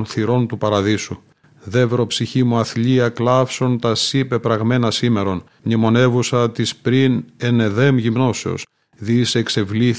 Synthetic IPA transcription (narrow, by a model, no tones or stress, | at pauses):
nθiɾo̞nt̪upɐɾɐðisu | ðe̞vɾo̞psiçimuɐθʎiɐklɐfso̞nt̪ɐsipe̞pɾɐɣme̞nɐsime̞ɾo̞n | nimo̞ne̞vusɐt̪ispɾine̞ne̞ðe̞mʝimno̞seo̞̰s | ðisekse̞vliθ